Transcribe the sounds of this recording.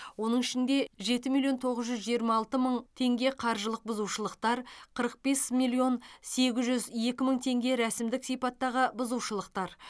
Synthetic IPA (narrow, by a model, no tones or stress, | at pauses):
wo̞nəɴɪʃɪnd̪e̞ʒe̞t̪ɪmijlʲˠjo̞nt̪ʰo̞ʁəzʒʏzʒijəɾmɑːlˠt̪əməɴt̪ʰe̞ŋɡʲe̞qʰɑɾʒəlˠəq̚bʊzuwʃəlˠəqt̪ɑɾqʰəɾəq̚b̥e̞smilʲˠijo̞nse̞ɡʲɪzʒʏzje̞kʲɪməɴt̪ʰe̞ŋɡʲe̞ɾæsɪmd̪ɪksijpɑt̪ːɑʁəbʊzuwʃəlˠəq̚t̪ɑɾ